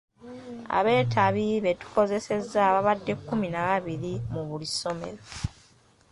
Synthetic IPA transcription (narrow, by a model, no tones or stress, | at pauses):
a̰βe̞ːtʰaβiβe̞tu̥ko̞ze̞se̞zːaβaβadːe̞kːuminaβaβiɾimuβuliso̞me̞̰ɾo̞